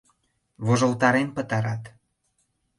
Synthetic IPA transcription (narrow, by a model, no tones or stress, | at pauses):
βoʒŏlt̪ɑɾenpə̆t̪ɑɾɑt̪